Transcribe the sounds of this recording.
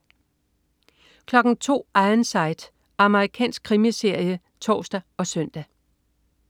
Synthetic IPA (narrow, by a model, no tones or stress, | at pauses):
kʰlɒ̽ɡ̥n̩t͡sʰo̝̰ːɑ̈ðnsɑ̈ɪd̥ | ɑ̈məʁikʰɛ̰ːnsɡ̥̚kʰʁimise̝ɐ̰jə | t͡sʰɒ̰ːsd̥æɒ̽sœn̰d̥æ